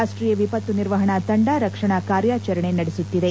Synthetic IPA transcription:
aːʂʈɾiːjɐʋipɐt̪ːuniɾʋɐɦɐɳat̪ɐɳɖaːɾɐkʂɐɳakaːɾjaːt͡ʃɐɾɐɳenɐɽesut̪ːid̪e

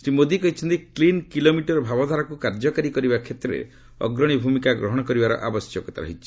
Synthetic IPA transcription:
sɾimod̪ikɔɦit͡ʃʰɔnt̪iklinkilomiʈɔɾɔbʱabɔd̪ʱaɾakukaɾd͡ʒɔkaɾikɔɾibakʰet̪ɾɔɾḛ | ɔ̰ɡɾɔɽ̃ibʱumikaɡɾɔɦɔɽ̃ɔkɔɾibaɾɔ̰ʔa̰bɔsjɔkɔt̪aɾɔ̰ɦit͡ʃʰi̥

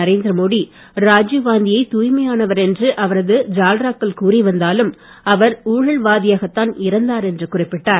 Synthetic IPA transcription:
ɐɾeːnd̪ɪɾɐmoːɽi | ɾaːd͡ʒɯʋaːnd̪ɪjɐɪt̪uːjmɐjaːnɐʋɐɾɛndrɯʔɐʋɐɾɐðɯd͡ʒaːlɾaːkːɐlkuːriʋɐnd̪aːlɯm | ɐʋɐɾuːɻɐɭʋaːðɪjaːɣɐt̪ːaːnɪɾɐnd̪aːɾɛndrɯkʊrɪpːɪʈːaːɾ

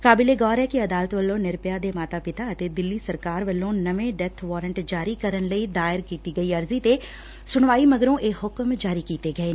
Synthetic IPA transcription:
kaːbileːɡɔːɾɛːkɪəd̪aːlət̪ʋəlːõːnɪɾpjaːd̪eːmaːt̪aːpɪt̪aːət̪eːd̪ɪlːiːsəɾkaːɾʋəlːõːnəʋẽːɖɛt̪ʰʋɔːɾəɳʈd͡ʒaːɾiːkəɾənləiːd̪aːɪɾkiːt̪iːɡəiːəɾziːt̪eː | sʊɳʋaːiməɡɾõːʔeːhʊkmd͡ʒaːɾikiːt̪eːɡəeː

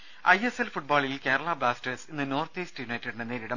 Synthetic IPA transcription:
ɐjeselfuʈ̚baːɭilke̞ːɾɐɭɐbaːsʈɐsinːɨno̞ːrt̪iːsʈɨjunɐjtːɐɽiɳɖeneːɾiɽɐm

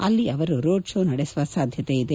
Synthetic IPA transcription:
ɐlːiɐʋɐɾuɾoːɖʃoːnɐɽesuʋasaːd̪ʱjɐt̪eid̪e

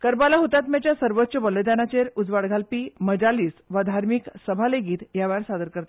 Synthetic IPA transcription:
kəɾbalaɦot̪at̪mat͡ɕjasəɾʋət̪ːɕəbələjd̪anat͡ɕeɾud͡zʋaɽɡʱalpiməd͡ʑaliːsʋad̪ʱaɾmiksəbʱaleɡiːt̪jaʋaɾsad̪əɾkəɾt̪a

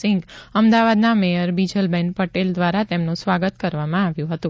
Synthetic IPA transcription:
ɪŋɡəmd̪aʋad̪namejəɾbid͡ʒəlbɛnpəʈeld̪ʋaɾat̪emnũsʋaɡət̪kəɾʋamãaʋjũɦət̪ũ

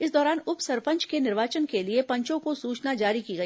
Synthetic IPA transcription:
ɪsd̪ɔːɾaːnʊpsɐɾpə̃ɲt͡ʃkenɪɾʋaːt͡ʃənkeliepɐ̃ɲt͡ʃõkosuːt͡ʃnad͡ʒaːɾikiɡɐiː

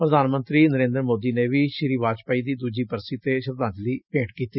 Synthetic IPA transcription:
pɾəd̪aːnmənt̪ɾiːnəɾẽːnd̪əɾmoːd̪iːneːʋiːʃɪɾiːʋaːt͡ʃpaːiːd̪iːd̪uːd͡ʒiːpəɾsiːt̪eːʃəɾd̪ãːnd͡ʒliːpẽːʈkiːt̪i

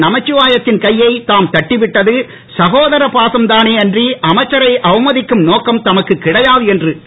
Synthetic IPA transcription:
nɐmɐt͡ʃːɯʋaːjɐt̪ːɪnkɐjːɐɪt̪aːmt̪ɐʈːɪʋɪʈːɐðɯ | sɐɣoːðɐɾɐpaːsɐmt̪aːneːɛndriʔɐmɐɪt͡ʃːɐɾɐɪʔɐʋɐmɐðɪkːɯmnoːkɐmt̪ɐmɐkːɯkːɪɽɐjaːðɯɛndrɯ

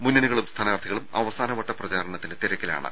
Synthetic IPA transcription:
munːɐnuɣɐɭumst̪ʰɐnaːrt̪ʰiɣɐɭumɐ̰ʋɐsaːnɐʋɐʈːɐprɐt͡ɕaːɾɐɳɐt̪ːindet̪iɾɐkʲːɐla̰ːɳɨ̰

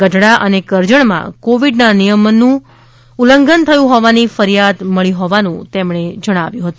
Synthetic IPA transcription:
ɡəɖʱɽaʔənekəɾd͡ʒəɳmã̰koʋiɖnanijəmənːũ | uləŋɡənt̪ʰəjũɦɔʋanifəɾijad̪məɭiɦɔʋanũt̪emɳed͡ʒəɽ̃aʋjũɦət̪ũ

